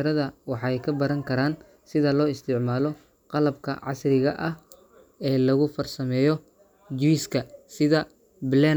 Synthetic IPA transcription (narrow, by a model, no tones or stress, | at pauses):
ɾɐðɐwɑħɑjkʰɐbɐɾɐŋkʰɐɾaːn | sɪðɐlɔːɪst̪ʰɪʕmaːlɔ | qɑlɐbkʰɐ̰ʕɑ̰srɪɣɐʔɐh | ɛːlɐɣʊfɐrsɐmɛːjɔ | d͡ʒiskʰɐsɪðɐ | blɛ